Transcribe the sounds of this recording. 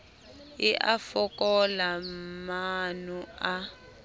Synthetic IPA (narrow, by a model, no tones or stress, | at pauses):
iʔafɔkʼɔlamanua